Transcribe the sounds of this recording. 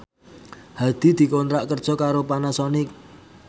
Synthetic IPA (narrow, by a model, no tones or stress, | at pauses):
had̪̥i̤d̪̥i̤kont̪ɾaʔkərd̥ʒ̥ɔ̤kaɾopanasɔni